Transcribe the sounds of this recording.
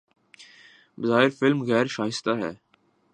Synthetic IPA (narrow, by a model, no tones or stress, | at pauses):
bəzaːɦɪɾfɪlmɣɛːɾʃaːɦɪst̪aːɦɛ̰ː